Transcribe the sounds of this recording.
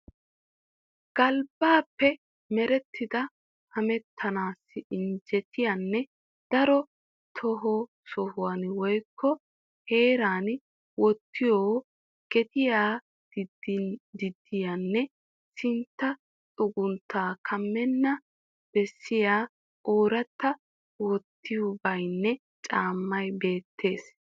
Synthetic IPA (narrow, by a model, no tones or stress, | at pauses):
ɡ̥ɐlbaːpːɛ | mɛɾɛt̪ʰːɪd̪ɐ | hɐmɛt̪ʰːɐnaːsːɪɪnd͡ʒɛt̪ɪjanːɛ | d̪̥ɐɾɔ | t̪ʰɔɦɔ | sɔhʊwanwɔjkʰːɔ | heːɾaːn | wɔt̪ːɪjoː | ɡ̥ɛt̪ɪjaː | d | d̪ɪd̪ːɪjanːɛ | sɪnt̪ːɐ | tʼʊɡʊnt̪ːaːkʰɐmːɛnːɐ | b̥ɛsːɪjaː | ʔoːɾɐt̪ːɐ | wɔt̪ːɪjʊbɐjnːɛ | t͡ʃʼaːmːɐjbe̞ːt̪ːe̞ːs